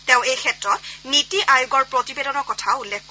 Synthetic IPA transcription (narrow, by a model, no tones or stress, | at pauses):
tɛʊ̃ejkʰɛtɹɔt̚nitiʔajʊɡɔɹpɹɔtibedɔnɔɹkɔtʰaʊulːekʰk